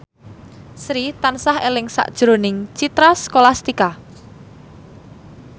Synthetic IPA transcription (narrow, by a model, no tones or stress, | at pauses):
sɾit̪ansahelɪŋsa̰ʔd̥ʒ̥ɾonɪŋt͡ʃit̪ɾaskolast̪ika